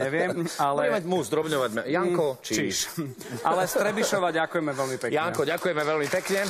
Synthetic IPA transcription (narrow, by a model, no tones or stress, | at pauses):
ɲɛʋɪɛmalɔɛmamuzd̪ɾɔbɲɔʋaɟjaŋkɔt͡ʃiiʃ | ʔalɛst̪ɾɛbiʃɔʋaːɟakujɛmɛʋɛlmipɛkjaŋkɔɟakujɛmɛʋɛlmipɛkɲɛ